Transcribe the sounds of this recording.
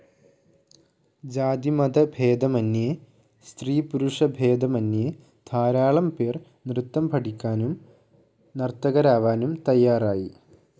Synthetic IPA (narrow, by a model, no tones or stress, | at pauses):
d͡ʑaːd̪imɐd̪ɐbʱeːd̪ɐmɐnːje | st̪riːpuɾuʂɐbʱeːd̪ɐmɐnːje | d̪ʱʰaːɾaːɭɐmpeːr | nrɨt̪ːɐmpɐʈikʲːaːnum | nɐrt̪ɐɣɐɾaːʋaːnumt̪ɐjːaːraːji